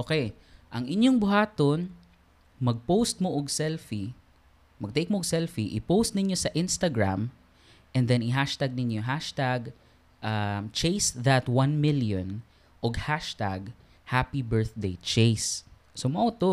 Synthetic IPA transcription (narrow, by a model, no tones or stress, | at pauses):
ʔoːkɛj | ʔɐŋʔɪɲjoŋbʊɦaːt̪on | mɐɡ̚powst̪̚moʔoɡsɛlfi | mɐɡ̚t̪ejk̚moʔɡ̚sɛlfiʔɪpowst̪̚nɪɲjosɐʔɪ̃nst̪ɐɡɹa̰m | ʔɛ̃nd̪ɛnɪɦaʃt̪aɡ̚nɪnjoɦaʃt̪aɡ | ʔamt͡ʃejsðɐt̪wɐ̃nmɪljõn | ʔoɡhaʃt̪aɡ | hapibɛɹθd̪ejt͡ʃejs | somɐʔot̪o